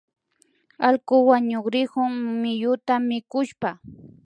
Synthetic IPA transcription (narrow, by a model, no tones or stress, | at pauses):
alkʊwaɲokɾɪhʊŋmɪjʊt̪amɪkʊʃpa